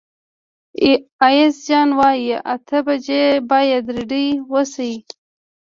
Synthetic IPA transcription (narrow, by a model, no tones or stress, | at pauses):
ajɪsd͡ʒɑnwɑjʔat̪ʰəbad͡ʒebɑjad̪ɾiɖiwəsai